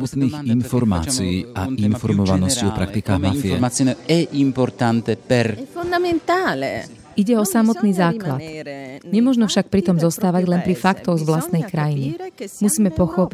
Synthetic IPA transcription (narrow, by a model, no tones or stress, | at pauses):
mɔt̪niːɣinfɔɾma̰ːt͡siiːainfɔɾmɔʋanɔsciɔpɾakt̪ikaːɣmafiɛ̰mat͡sinɛʔimpɔɾt̪ant̪ɛpɛɾnaɛnt̪aːlɛ | ʔiɟɛɔsamɔt̪niːzaːklat̪ɲɛmʊɔʒnɔfʃak̚pɾit̪ɔmzɔst̪aːʋaɟlɛnpɾifakt̪ɔɣzʋlast̪nɛjkɾajinimusiːmɛpɔxɔpi